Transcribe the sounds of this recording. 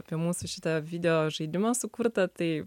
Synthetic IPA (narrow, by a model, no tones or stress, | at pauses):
pʲiɛmuːsuʃʲɪt̪ɐʋʲid̪ʲɛjoːʒɐɪd̪ʲɪmɐsʊkʊɾt̪ɐt̪ɐɪ